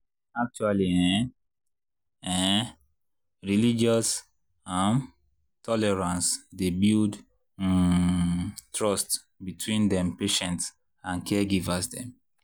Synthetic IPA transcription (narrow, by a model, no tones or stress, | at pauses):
ak̚t͡ʃualiɛ̃ | ɛ | ɹilid͡ʒɔs | ãm | tʰɔlɛɹãnsdebild | tɹɔst | bitʰwĩndɛ̃mpeʃɛ̃nts | ãnkɛɡivasdɛ̰̃m